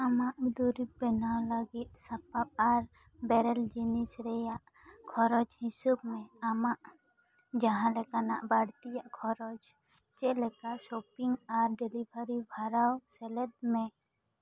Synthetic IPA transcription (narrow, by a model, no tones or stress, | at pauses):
amaʔd̪uɾip̚bɛnawləɡit̪̚sapap̚aɾ | bɛɾɛld͡ʒinisɾɛjaʔ | kʰɔɾɔd͡ʒhisub̚mɛamaʔ | d͡ʒaɦãlɛkanaʔbaɽt̪ijaʔkʰɔɾɔd͡ʒ | t͡ʃɛʔlɛkasɔpiŋɡaɾɖɛlibʱaɾibʱaɾawsɛlɛd̪̚mɛ